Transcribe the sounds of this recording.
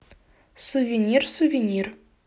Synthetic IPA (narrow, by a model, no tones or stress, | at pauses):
suvʲenʲirsuvʲenʲir